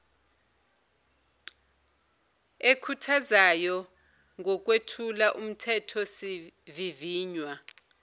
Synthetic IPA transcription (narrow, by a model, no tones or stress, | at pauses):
ekʰutʰazajɔ | ŋɔk̬ʼwetʰulaʔum̩tʰɛtʰɔsiviviːɲwa